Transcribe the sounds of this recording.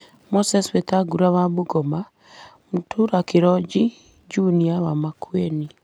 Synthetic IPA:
mosɛswetaɡuɾawamuɡɔma | mutʰuɾakeɾɔd͡ʒi | d͡ʒuniawamakwɛni

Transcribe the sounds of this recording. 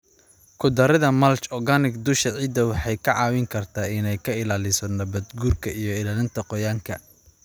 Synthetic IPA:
kʰʊd̪ɐɾɐðɐmɐlt͡ʃɔɡanɪɡd̪ʊʃɐʕiːd̪ɐwɑħɑjkʰɐʕɑːwɪŋkʰɐrt̪ʰaːɪnɛjkʰɐɪlaːlɪsɔnɐbɐd̪ɡuːrkʰɐʔijɞɪlaːlɪnt̪ʰɐqɔjaːŋkʰɐ̰

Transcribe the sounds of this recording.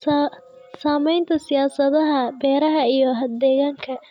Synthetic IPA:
s | saːmɛjnt̪ʰɐsɪjaːsɐðɐɦɐbɛːɾɐɦɐijɔɦɐd̪ɛːɣaːŋkʰɐ

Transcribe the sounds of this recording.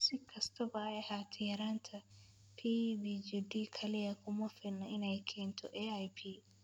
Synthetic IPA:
sɪkʰɐst̪ʰɐbɐɛhaːt̪ʰɪjɐɾaːnt̪ʰɐ | pʰiːbid͡ʒɪd̪iːkʰɐlɪjɐkʰʊmɐfɪnːɐɪnɛjkʰɛːnt̪ʰɔ̰ʔɛːajpʰiː

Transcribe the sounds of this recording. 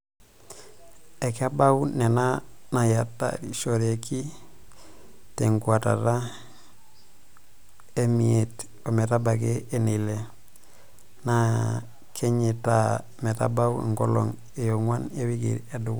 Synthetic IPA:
ekabawunenanajatːa̰diʃoɾeki | teŋɡuata̰ɾa | emiet | ometabakeenile | na | kʰeɲita | meta̰bawḭŋɡolo̰ŋ | ejoŋwanewiɡḭɾedu

